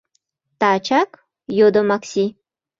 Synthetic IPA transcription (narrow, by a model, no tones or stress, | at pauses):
t̪at͡ʃak | jod̪omaksi